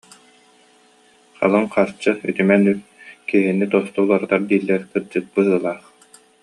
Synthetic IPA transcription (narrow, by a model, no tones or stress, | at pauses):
χa̰lˠɯŋqaɾt͡ɕɯy̰t̪ymɛnyɾkiɦinːit̪ɔst̪ulˠaɾɯt̪aɾd̪iːlːɛɾkɯɾd͡ʑɯt̪̚bɯɦɯːlˠaːχ